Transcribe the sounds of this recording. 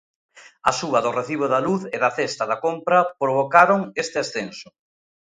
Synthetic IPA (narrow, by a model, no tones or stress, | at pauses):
ɐ̰suβɐðʊreθiβ̞ʊðɐluθɪðɐθest̪ɐðɐkompɾɐpɾoβ̞okaɾʊŋest̪ɪasθensʊ̥